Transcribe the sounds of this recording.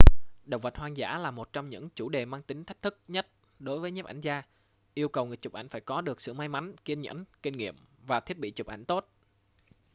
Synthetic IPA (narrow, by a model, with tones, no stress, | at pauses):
ɗə˨˩wvə˨˩t̚hwaː˧nza̰ː˧˥laː˨˩mo˨˩t̚t͡ɕɔ˧ŋ͡mɲɨ̰˧˥ŋt͡ɕu˧˩ɗe˨˩maː˧ŋt̪ï˨˦ŋ̟t̪ʰa˦˥k̚t̪ʰɨ˦˥k̚ɲə˦˥t̚ | ɗo˨˦jvəː˨˦jɲe˦˥p̚ʔa̰˧˩jŋ̟zaː˧ | ʔi˧əwkə˨˩wŋɨ˨˩ət͡ɕʊ˨˩p̚ʔa˧˩jŋ̟faː˧˩jkɔ˨˦ɗɨ˨˩ək̚sɨ̰˧˨maː˧jma˨˦jŋ̟ki˧ənɲə̰˧˥nki˧ŋŋḭ˧˨əmvaː˨˩t̪ʰi˦˥ət̚ɓḭ˧˨t͡ɕʊ˨˩p̚ʔa̰˧˩jŋ̟t̪o˦˥t̚